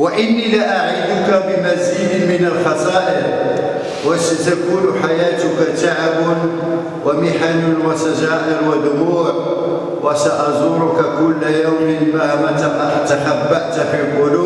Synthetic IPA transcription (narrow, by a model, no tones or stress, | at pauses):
waʔɪnːiːlaʔaʕiːd̪ʊkabɪmaziːd̪ɪmɪnalxɑsˤɑːʔɪl | wasat̪akuːnʊħajaːt̪ʊkat̪aʕabʊn | wamɪħanʊwasaʒaːʔɪlwad̪ʊmuːʕ | wʔasaʔɑzˤuɾʊkakʊlːajawmɪnbamat̪amaʔat̪aħabːaʔt̪fiːlqʊluː